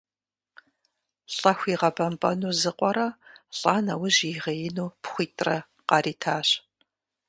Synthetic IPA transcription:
ɬʼɐxʷiːʁɐbɐmpʼɐnuːzɨqʷʼɔɾɐɬʼaːnɐwʊʑiʁɐjɪnuːpχʷiːtʰʼrɐ | qɑriːtʰaːɕ

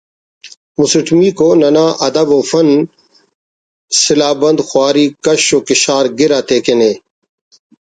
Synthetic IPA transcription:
musiʈʰmiːkoːnɐnaːʔɐd̪ɐboːfɐn | sɪlaːbɐ̃nd̪xwaːɾiːkɐɕoːkɪɕaːɾɡɪɾaːt̪eːkeneː

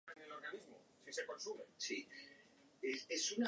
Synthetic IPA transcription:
enelo̞ɾɣanizmo | siseko̞nsumesi | eesuna

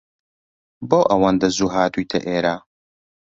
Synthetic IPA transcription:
boːʔɐwand̪ɐzuːɦaːt̪ʰujt̪ʰɐ̰ʔeːɾaː

